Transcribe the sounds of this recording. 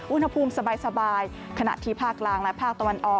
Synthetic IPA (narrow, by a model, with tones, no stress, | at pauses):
ʔu˥nha˧pʰuː˧msa˧baː˧jsa˧baː˧j | kʰa˧na̰˨˩ʔt̪ʰiː˥˩pʰaː˥˩kːlaː˧ŋlɛ˦˥pʰaː˥˩k̚t̪a˧wa˧nʔɔː˨˩